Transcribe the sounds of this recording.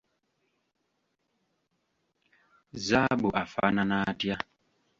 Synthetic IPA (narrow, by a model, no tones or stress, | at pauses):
zaɓuʔafa̰nanatja